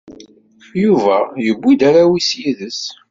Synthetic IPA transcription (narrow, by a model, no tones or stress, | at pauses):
juvæjəbʷːid̪aɾawisjiðəs